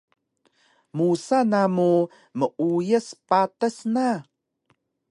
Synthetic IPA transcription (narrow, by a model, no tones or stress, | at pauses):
musanamu | məʔujəspatəsna